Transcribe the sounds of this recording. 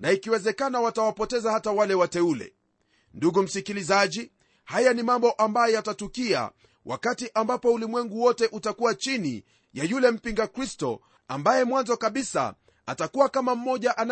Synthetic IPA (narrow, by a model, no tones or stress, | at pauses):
naikiwɛzɛkanawatawapɔtɛzahatawalɛwatɛulɛ̰ | nduɡum̩sikilizaʄi | hajanimambɔʔambajɔatatukia̰ | wʔa̰katiʔambapɔulimwɛŋɡuwɔtɛʔutakuwat͡ʃinḭ | jajulɛm̩piŋɡakɾistɔ̰ | a̰mbajɛmwanzɔkaɓisa̰ | atakuwakamam̩mɔʄaʔana